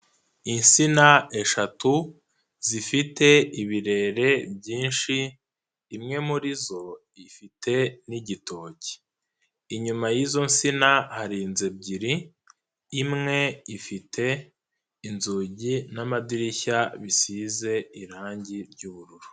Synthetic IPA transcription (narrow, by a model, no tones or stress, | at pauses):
insinae̞ʃatu | zifite̞iβiɾe̞ːɾe̞b̚ɟiːnʃiː | mŋe̞muɾizo̞ | ifitʰe̞niɟito̞ːci̥ | iɲumajizo̞nsinahaɾiːnze̞bɟiɾi | imŋe̞ifitʰe̞ | inzuːɟinamadiɾiçaβisiːze̞iɾaːɲɟiɾɟuːβuɾuɾu